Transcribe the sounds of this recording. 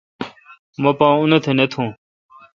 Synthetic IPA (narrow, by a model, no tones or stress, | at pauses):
mə̃ːpãːʊnet̪ʰeːnet̪ʰũː